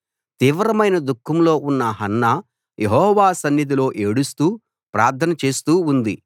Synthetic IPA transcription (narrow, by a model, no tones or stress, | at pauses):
t̪iːʋɾɐmɐjnɐd̪ukʰːɐmlo̞ːunːɐɦɐnːɐ | jeɦɔːʋaːsɐnjɐd̪ilo̞ːʔe̞ːɽust̪uː | pɾa̰ːɾt̪ʰɐnɐt͡ʃe̞ːst̪uːund̪i